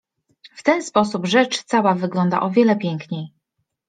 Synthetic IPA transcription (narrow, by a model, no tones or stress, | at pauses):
ft̪ɛnspɔsubʐɛt͡ʂt̪sawavɘɡlɔnd̪a̰ʔɔvʲjɛlɛpʲjɛŋkɲej